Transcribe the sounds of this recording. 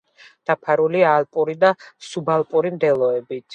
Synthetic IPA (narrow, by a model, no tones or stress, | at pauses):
d̪̥apʰaɾulialˠpʼuɾid̪asubalˠpʼuɾimd̪ɛlˠɔɛbit̪ʰ